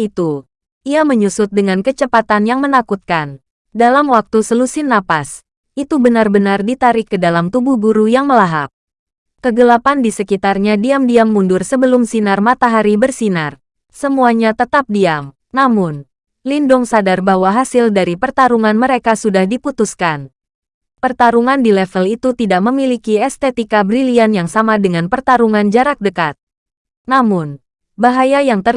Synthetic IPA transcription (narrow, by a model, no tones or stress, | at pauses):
it̪u | ʔiaməɲusʊt̪̚dəŋankət͡ʃəpat̪anjaŋmənakut̪̚kan | dalamwak̚t̪usəlusɪnːapas | ʔit̪ubənarbənardit̪aɾɪkːədalamt̪ubuhɡuɾujaŋməlaɦa̰p̚ | kəɡəlapandisəkit̪arɲadiamdiamːundʊrsəbəlʊmsinarmat̪aɦaɾibərsinar | səmuaɲat̪ət̪ap̚diam | namʊn | lindʊŋsadarbawaɦasɪldaɾipərt̪aɾuŋanməɾekasudahdiput̪uskan | pərt̪aɾuŋandilɛfəlit̪ut̪idaʔ̚məmilikiɛst̪et̪ikabɾilianjaŋsamadəŋanpərt̪aɾuŋand͡ʒaɾak̚dəkat̪̚ | namʊn | baɦajajaŋt̪ər